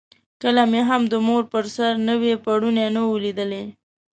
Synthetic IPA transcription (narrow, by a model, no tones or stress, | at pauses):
kəlameɦamd̪əmoɾpəɾsaɾnəwepaɽunenawlid̪əle